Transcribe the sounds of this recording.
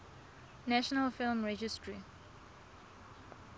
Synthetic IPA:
næʃɔnəlfɪlmɹɛd͡ʒɪstʰɹi

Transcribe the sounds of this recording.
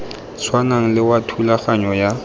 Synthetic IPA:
sʰwanaŋ̩lɪwatʰulaχaɲɔja

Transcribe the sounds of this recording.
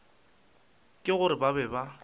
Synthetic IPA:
kʼɪɣʊɾɪbabɛba

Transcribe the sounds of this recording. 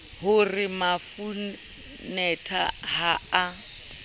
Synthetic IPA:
hʊrɪmafu | nɛtʰahaa

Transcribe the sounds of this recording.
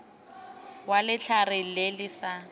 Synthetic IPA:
walɪt͡ɬʰarɪlelɪsa

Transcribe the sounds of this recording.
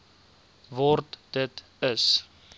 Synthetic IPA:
vɔrtd̥ət | əs

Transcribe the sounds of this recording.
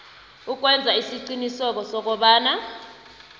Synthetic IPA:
uk̬wɛnd͡zʱaisiǀinisɔk̬ɔsɔk̬ɔɓaːna

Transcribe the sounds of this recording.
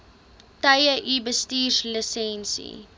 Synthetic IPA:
tɐjəʔibəstiːrləsɛnsḭ

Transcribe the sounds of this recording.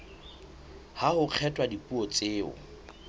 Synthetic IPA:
hahʊq͡χʰɛtʼwadipʼuɔt͡sʼeːʊ̰

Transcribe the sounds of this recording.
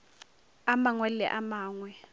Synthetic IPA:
amaŋwɛlɛ̰ʔamaːŋwɛ

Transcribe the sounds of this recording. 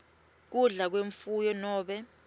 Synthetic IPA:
k̬uɮak̬weɱfujɔnɔːɓɛ

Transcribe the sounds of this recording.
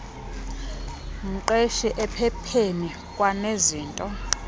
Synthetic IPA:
ŋ̩ǃeʃiʔɛpʰɛpʰeni | kʼwaneziːntʼɔ

